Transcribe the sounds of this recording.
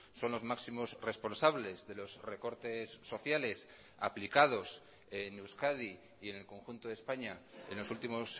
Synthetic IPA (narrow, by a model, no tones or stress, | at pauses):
so̞nlo̞zmaksimo̞sre̞spo̞nsaβle̞zðe̞lo̞zre̞ko̞ɾt̪e̞sːo̞θjale̞s | a̰plikað̞o̞s | enewskaði | ie̞ne̞lko̞ŋxunt̪oðe̞spaɲaḛnlo̞sult̪imo̞s